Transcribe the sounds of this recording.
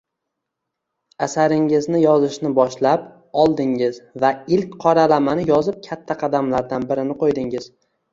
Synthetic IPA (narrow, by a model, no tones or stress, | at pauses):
asaɾɪŋɪznɪjɒzɪʃnɪbɒʃlap | ɒlˠd̪ɪŋɪzvaɪlkʲqʰɒɾalamanɪjɒzɪp̚kʲʰat̪ʰːaqʰɑd̪amlaɾd̪anbɪɾɪnɪqʰojd̪ɪŋɪz̥